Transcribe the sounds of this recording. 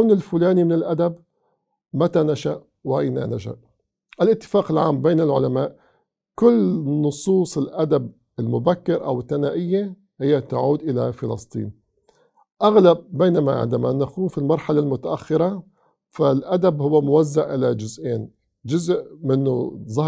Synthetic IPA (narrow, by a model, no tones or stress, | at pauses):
kawnɪlfʊlaːnimɪnɪlʔad̪ab | mat̪anaʃaʔ | wʔajna̰naʃa̰ʔ | ʔɪlʔɪt̪ːɪ̥faːqɪlʕa̰ːmbeːnɪlʕʊlamaːʔ | kʊlːnʊsˤuːsˤɪlʔad̪ab̚ | ɪlmʊbakːɪɾʔa̰wɪθːanaːʔɪjːa | hɪjːat̪aʕuːd̪ʔɪla̰fɪlɑsˤt̪ˤḭːn | ʔaɣlab̚ːeːnama̰ʕɪ̰nd̪ama̰naquːmfilmɑɾˤħalalmʊt̪aʔaxːɪɾˤɑ | falʔad̪abhʊwːamʊwazːaʔʔɪlad͡ʒʊzʔeːn | d͡ʒʊzʔmɪnːʊ̰zˤɑ